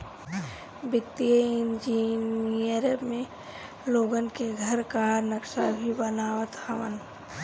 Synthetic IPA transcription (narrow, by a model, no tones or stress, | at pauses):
bɪt̪ːijəɪnd͡ʒinijəɾəbmẽ | loːɡənkeɡʱəɾkanəkʃabʱibənaːʋət̪həʋə̰n